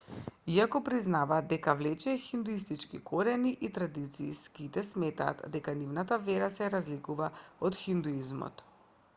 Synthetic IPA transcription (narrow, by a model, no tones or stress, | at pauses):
iakɔpɾiznavaːt̪d̪ɛkavlɛt͡ʃɛxind̪uist̪it͡ʃkikʰoɾɛniʔit̪ɾad̪it̪sḭskit̪ɛsmɛt̪a̰ːt̪d̪ɛkanivnat̪avɛɾasɛɾazlikuvaɔt̪xind̪uizmɔ̰t̪